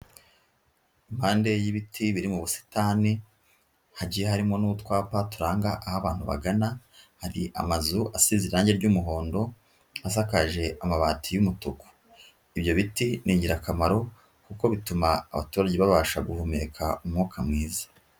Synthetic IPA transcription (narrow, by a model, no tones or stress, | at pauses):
imhaːnde̞jiβitʰiβiɾimuβusi̥taːni | haɟiːjehaɾimo̞nuutwaːpatuɾaːŋɡaʔahaβaːn̥huβa̰ɡana | haɾiʔa̰mazuʔasiziɾaːɲɟeɾɟuːmuɦo̞ːndo̞ | as̬akaʒe̞amaβaːtʰijumutuko̥ | iβjo̞βitinʔiːɲɟiɾakamaɾo̞ | kuko̞βituma̰ːβa̰tuːɾaɟeβaβaʃaɡuhume̞kʰa̰umŋuːkʰamŋiːzḁ